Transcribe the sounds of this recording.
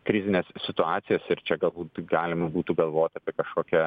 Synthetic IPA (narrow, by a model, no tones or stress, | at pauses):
kɾʲɪzʲɪnʲeːssʲɪt̪ʊɑːt̪sʲɪjɛsɪɾt͡ʃʲɛɡɐlˠbuːt̪ɡɑːlʲɪmɐbuːt̪uːɡɐlˠʋoːt̪ʲɐːpʲiɛkɐʃkoːkʲɛ